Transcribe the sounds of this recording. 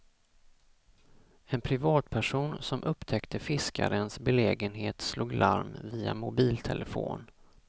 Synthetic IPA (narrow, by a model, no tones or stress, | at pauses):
ɛnpʰɾɪvɑːt̪pʰæʂuːnsɔmʔɵpːt̪ʰɛkt̪ʰəfɪska̰ɾənsbɛleːɡənɦeːt̪sluːɡlʔa̰ɾmviːamʊbiːlt̪ʰɛləfo̰ːn